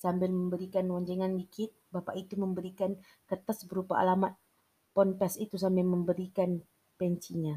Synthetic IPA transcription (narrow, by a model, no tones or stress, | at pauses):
sambɪlməmbəɾikanwaɲd͡ʒɛŋanbikɪt̪̚bapa̰ʔit̪uməmbəɾikan | kət̪əsbəɾupa̰ʔa̰lamat̪̚ | pɔnp̪ɛsit̪usambɪlməmbəɾikan | pɛɲt͡ʃiɲa